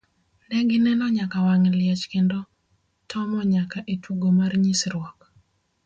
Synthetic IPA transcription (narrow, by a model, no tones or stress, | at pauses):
nɛɡɪnɛnɔɲakawaŋlɪɛt͡ʃkendo | tʰɔmɔɲakaʔetwuɡomarɲisɾwɔk